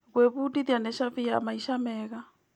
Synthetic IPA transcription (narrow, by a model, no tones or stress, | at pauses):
ɣwɛβutiðanɛʃavia̰maiʃamɛɣa